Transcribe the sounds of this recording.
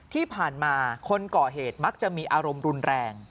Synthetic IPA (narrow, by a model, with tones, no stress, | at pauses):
t̪ʰiː˥˩pʰaː˨˩nmaː˧kʰo˧nkɔː˨˩ɦeː˨˩t̪̚ma˦˥k̚t͡ɕa˨˩ʔmiː˧ʔaː˧ɾo˧mɾu˧nɾɛː˧ŋ